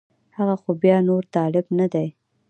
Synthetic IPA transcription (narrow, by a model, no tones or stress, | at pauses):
haɣaxobjɑnoɾt̪ɑlɪbnad̪aj